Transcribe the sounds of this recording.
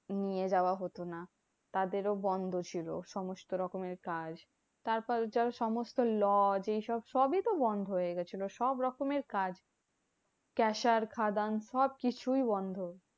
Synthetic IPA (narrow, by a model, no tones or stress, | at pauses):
nied͡ʑaoaɦot̪ona | t̪ad̪eɾobɔnd̪ʱot͡ɕʰilo̰ʃɔmost̪oɾɔkomeɾkad͡ʑ | t̪aɾpɔɾd͡ʑaɾʃɔmost̪olɔd͡ʑejʃɔbʃɔbit̪obɔnd̪ʱoɦoeɡɛt͡ɕʰiloʃɔbɾɔkomeɾkad͡ʑ | kɛʃaɾkʰad̪anʃɔb̚kit͡ɕʰujbɔnd̪ʱo